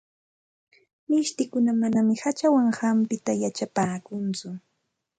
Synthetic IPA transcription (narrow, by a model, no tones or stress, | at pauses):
mɪʃt̪ɪkʊnamanamɪhat͡ʃawaŋhampɪt̪ajat͡ʃapaːkʊnt͡sʊ